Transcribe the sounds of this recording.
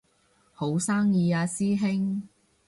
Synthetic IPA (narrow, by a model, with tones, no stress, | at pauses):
ho˨˥wsaː˥ŋjiː˨˧aː˧siː˥ɦɪ˥ŋ